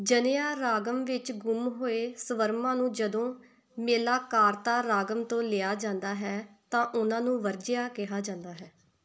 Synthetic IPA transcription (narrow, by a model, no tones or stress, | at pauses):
d͡ʒənɪjaːɾaːɡəmʋɪt͡ʃɡʊmɦoːeːsəʋəɾmãːnũːd͡ʒəd̪õː | meːlaːkaːɾt̪aːɾaːɡəmt̪õːlɪaːd͡ʒãːnd̪aːɦɛːt̪ãːʔʊnãːnũːʋəɾd͡ʒɪjaːkɪɦaːd͡ʒãːnd̪aːɦɛː